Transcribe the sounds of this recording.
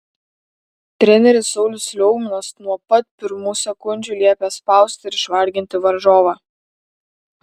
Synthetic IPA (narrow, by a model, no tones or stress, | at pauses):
t̪ʲɾʲɛnʲɛɾʲɪsɔʊlʲʊsʲlʲɔʊɡmʲɪnɐsnuɔpɐt̪̚pʲɪɾmuːsʲɛkʊnʲd͡ʒʲuːlʲiɛpʲespɑˑʊsʲt̪ʲɪɪɾɪʃʋɐɾʲɡʲɪnʲt̪ʲɪʋɐɾʒoːʋɑː